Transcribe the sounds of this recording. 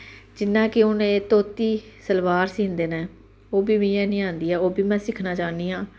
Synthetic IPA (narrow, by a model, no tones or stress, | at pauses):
d͡ʒɪnːãːkɪʊnẽːt̪oːt̪iːsəlʋaːɾsĩːnd̪eːnɛ̃ː | oːbiːbĩːɛːnĩːãːnd̪iːɦɛːoːbiːmɛ̃ːsɪkʰnaːt͡ʃaːniːɦãː